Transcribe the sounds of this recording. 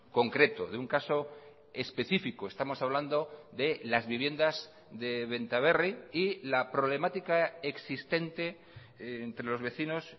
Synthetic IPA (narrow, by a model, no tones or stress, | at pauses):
ko̞ŋkɾe̞t̪oðeuŋkaso̞ | espe̞θifikoest̪amo̞saβ̞land̪oðe̞lazβiβ̞je̞nd̪az | ðe̞βe̞nt̪aβe̞riilapɾo̞βle̞mat̪ikaeksist̪e̞nt̪e̞ː | nt̪ɾelo̞zβe̞θino̞s